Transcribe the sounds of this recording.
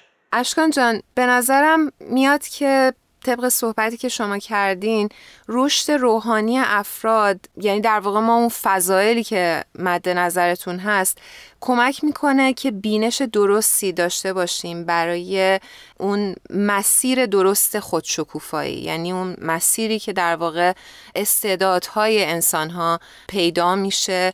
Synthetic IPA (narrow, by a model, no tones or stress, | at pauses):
ʔæʃkɒːnd͡ʒɒːnb̥e̞næzæɾæmːijɒːd̪̥cʰe̞ | t̪ʰe̞bɣe̞so̞hbæt̪ʰiːcʰe̞ʃo̞mɒːcʰæɾd̪inro̞ʃt̪e̞ɾoːɦɒːnije̞ʔæfɾɒːd̪jæniːd̪æɾvɒːɣe̞mɒːunfæzɒːje̞liːcʰe̞mæd̪ːe̞næzæɾe̞t̪ʰunɦæst̪kʰo̞mæcʰmiːkʰo̞ne̞cʰe̞biːne̞ʃe̞d̪o̞ɾo̞st̪iːd̪ɒːʃt̪e̞bɒːʃiːmbæɾɒːje̞ | ʔunmæsiːɾe̞d̪o̞ɾo̞st̪e̞xod̪̥ʃokʰuːfɒ̰ːḭːjæ̰niːunmæsiːɾiːcʰe̞d̪æɾvɒːɣe̞ | ʔest̪e̞ːd̪ɒːd̪̥hɒːje̞ːnsɒnɦɒː | pʰe̞jd̪ɒːmiːʃe̞